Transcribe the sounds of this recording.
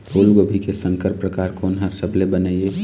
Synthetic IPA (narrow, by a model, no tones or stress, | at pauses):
poːlɡobʱikesə̃ŋkəɾpɾəkaːɾkoːnɦəɾsəblebəneie